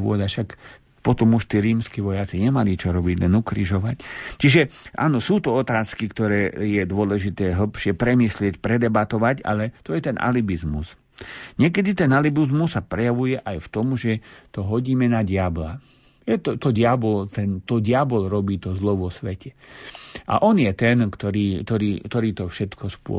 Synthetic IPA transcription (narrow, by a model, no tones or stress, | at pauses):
ʊɔd̪aʃak | pɔt̪ɔmuʃt̪iːɾiːmskiːʋɔjat͡siɲɛmalit͡ʃɔɾɔbiɟlɛnukɾiʒɔʋact͡ʃiʒɛʔa̰ːnɔsuːt̪ɔɔt̪aːskikt̪ɔɾɛːjɛd̪ʊɔlɛʒit̪ɛːɦl̩pʃɪɛpɾɛmiːslɪɛcpɾɛd̪ɛbat̪ɔʋaca̰lɛt̪ɔjɛt̪ɛnʔa̰libizmṵs | ɲɪɛk̬ɛd̪it̪ɛnalibizmusːapɾɛjaʋujɛʔajft̪ɔmʒɛt̪ɔɦɔɟiːmɛnaɟɪabla | jɛt̪ɔt̪ɔɟɪabɔlt̪ɛnt̪ɔɟɪabɔlɾɔbiːt̪ɔzlɔʋɔsʋɛcʰɛ | ʔa̰ʔɔnjɛt̪ɛnkt̪ɔɾiːkt̪ɔɾiːkt̪ɔɾiːt̪ɔfʃɛt̪kɔspʊɔ̰